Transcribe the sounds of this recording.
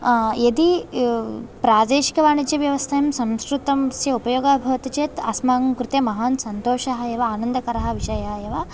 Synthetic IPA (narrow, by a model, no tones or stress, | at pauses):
ed̪i | pɾaːd̪eːʃi̥kɐʋaːɳid͡ʒjɐʋjɐʋɐst̪ʰɐjɐmsɐmskɾut̪ɐmsjɐupɐjoːɡaːbʱɐʋɐt̪it͡ʃeːt̪ɐsmaːŋɐmkɾut̪emɐɦaːnsɐnt̪oːʃaɦɐjɐʋɐaːnɐnd̪ɐkɐɾɐɦɐ̆ʋiʃɐjaːjɐʋɐ